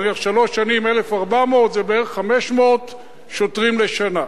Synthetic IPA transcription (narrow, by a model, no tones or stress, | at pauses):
neχʃalo̞ʃːanimelefaʁbamot̪zebeeʁeχːameʃmoot | ʃotʁimleʃana